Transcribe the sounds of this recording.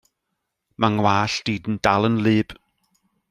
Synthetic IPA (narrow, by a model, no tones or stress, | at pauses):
maŋwaːɬd̥iːdən̩d̥alˠənlɨːb̥